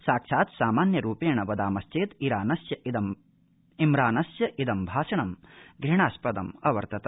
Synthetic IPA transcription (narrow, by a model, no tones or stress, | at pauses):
saːkʂaːt̪saːmaːnjɐɾuːpeːɳɐʋɐd̪aːmɐst͡ʃeːt̪iɾaːnɐsjɐid̪ɐm | imɾaːnɐsjɐʔid̪ɐmbʱaːʂɐɳɐmɡɾiɳaːspɐd̪ɐ̰mɐʋɐ̰ɾt̪ɐt̪ɐ